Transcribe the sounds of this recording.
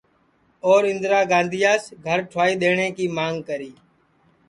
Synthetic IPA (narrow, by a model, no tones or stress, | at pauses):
oːɾɪnd̪ɾaːɡãːnd̪ʱɪjaːsɡʱəɾʈʰʊaːiːɗ̪eːɳeːkiːmaːŋɡkəɾiː